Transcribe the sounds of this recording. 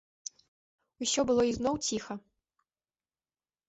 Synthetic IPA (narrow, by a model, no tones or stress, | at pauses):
usʲɔbɨlˠɔiznɔwt͡sʲixɐ